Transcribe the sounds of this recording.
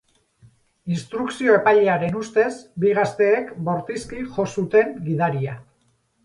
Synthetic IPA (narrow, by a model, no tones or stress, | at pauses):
inst̪ɾuksio̞e̞pajʎeaɾe̞nust̪e̞zbiɣast̪e̞ːkbo̞ɾt̪iskiʝo̞sut̪e̞ŋɡiðaɾia